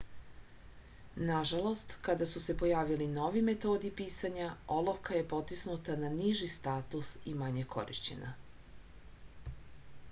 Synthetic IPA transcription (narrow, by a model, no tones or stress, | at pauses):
naʒalˠo̞st̪kad̪asuse̞po̞jaːʋilino̞ʋime̞t̪o̞ːd̪ipiːsaɲao̞lˠoʋkʰaje̞po̞t̪isnut̪ananiʒist̪aːt̪usimaɲekʰo̞̰ɾḭʃt͡ɕe̞̰na̰